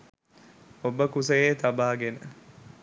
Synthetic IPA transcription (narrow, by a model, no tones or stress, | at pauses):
obəkusəjeːt̪ɐbaːɡenə